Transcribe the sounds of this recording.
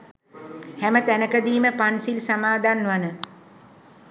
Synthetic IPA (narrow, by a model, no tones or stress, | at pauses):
hæmət̪ænəkəd̪iːməpansilsamaːd̪anːʋanə